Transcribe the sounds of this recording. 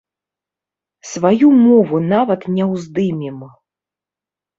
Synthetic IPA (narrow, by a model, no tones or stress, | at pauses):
svajumɔvunavɐt̪nʲɛwzd̪ɨmʲim